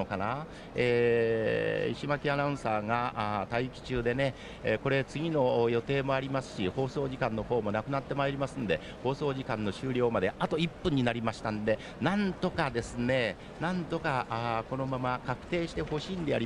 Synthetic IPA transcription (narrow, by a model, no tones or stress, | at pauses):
okana | e | iɕimakʲianãɯ̟̃saːŋat̪aikʲi̥t͡ɕɨːd̪e̞ne̞ | ko̞ɾe̞t͡sɨɡʲino̞jo̞t̪e̞ːmo̞aɾʲimasɨ̥ɕiho̞ːso̞ːʑikãnːo̞ho̞ːmo̞nakɯ̟nat̪ːe̞maeɾʲimasɨ̃nd̪e̞ | ho̞ːso̞ːʑikãnːo̞ɕɨːɾʲo̞ːmad̪e̞at̪o̞ipːɯ̟̃ɲ̟ːinaɾʲimaɕi̥t̪and̪e̞ | nãnt̪o̞kad̪e̞sɨne̞ | nãnt̪o̞kaʔko̞no̞mamakakɯ̟̥t̪e̞ːɕi̥t̪e̞ho̞ɕiːnd̪ejaɾi